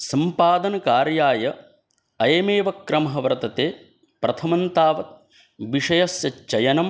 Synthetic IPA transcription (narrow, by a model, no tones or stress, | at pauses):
sɐmpaːd̪ɐnɐkaːɾjaːjɐ | ɐjɐmeːʋɐkɾɐmɐɦɐʋɐɾɐt̪ɐt̪eː | pɾɐt̪ʰɐmɐnt̪aːʋɐt̪̚ | ʋiʂɐjɐsjɐt͡ʃːɐjɐnɐm